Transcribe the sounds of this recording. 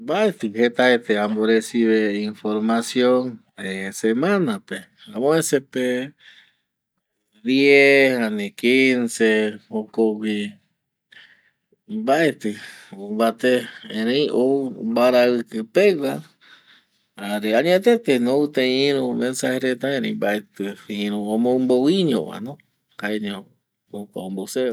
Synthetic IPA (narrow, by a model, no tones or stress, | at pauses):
mbaet̪ɨhet̪aet̪eamboɾesiβeinfoɾmasjõn | esemãnape | ãmõesepe | d̪jeanekinsehokowʷi | baet̪ɨombat̪eẽɾẽĩombaɾaɨkɨpewa | aɾeaɲẽt̪et̪enõut̪ẽĩɾũmẽnsaheɾet̪aẽɾẽĩmbaet̪ɨiĩɾũõmõũmbowiɲõ̰βa̰nõ | kaeɲõ | okaõmbose